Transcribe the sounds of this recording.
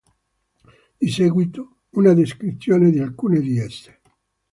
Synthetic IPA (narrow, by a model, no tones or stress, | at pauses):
d̪iseːɡwit̪o | unad̪eskɾit̪sːjoːned̪ialkuːned̪iɛsːe̥